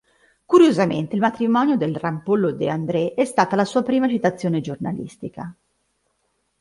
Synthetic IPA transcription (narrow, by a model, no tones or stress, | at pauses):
kuɾjozamḛnt̪eilmat̪ɾimɔːnjod̪elrampolːod̪eand̪ɾɛʔɛst̪aːt̪alasuːapɾiːmat͡ʃit̪at̪sːjoːned͡ʒorna̰lḭst̪ika